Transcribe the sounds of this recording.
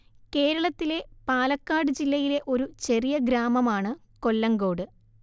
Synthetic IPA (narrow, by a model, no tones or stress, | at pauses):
ke̞ːɾɐɭɐt̪ːile̞paːlɐkːaːɽɨd͡ʑilːɐjile̞ʔo̞ɾut͡ɕe̞rijɐɡɾaːmɐmaːɳɨ | ko̞lːɐŋɡo̞ːɽɨ